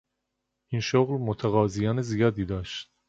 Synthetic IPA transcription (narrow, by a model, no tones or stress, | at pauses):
ʔinʃoɣlmot̪ʰæɣɒːzijɒːnezijɒːd̪iːd̪ɒːʃt̪̚